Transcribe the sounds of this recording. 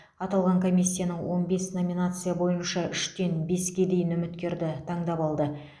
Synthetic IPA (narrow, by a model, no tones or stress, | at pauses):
ɑt̪ɑlˠʁɑŋkʰo̞mijsʲːijanəɴwo̞nbe̞sno̞mʲinat̪sɨjabo̞jənʃɑʏʃt̪e̞nbe̞skʲe̞d̪e̞jɪnʏmɪt̪kʲe̞ɾd̪ɪt̪ʰɑɴd̪ɑpɑlˠd̪ə